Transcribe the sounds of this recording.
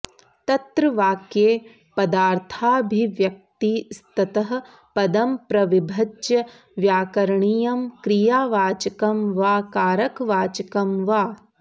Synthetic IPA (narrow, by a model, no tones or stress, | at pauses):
t̪ɐt̪ɾɐʋaːkjeː | pɐd̪aːɾt̪ʰaːbʱiʋjɐk̚t̪ist̪ɐt̪ɐɦɐ̆ | pɐd̪ɐmpɾɐʋibʱɐdd͡ʒjɐ | ʋjaːkɐɾɐɳijɐmkɾijaːʋaːt͡ʃɐkɐmʋaːkaːɾɐkʋaːt͡ʃɐkɐmʋaː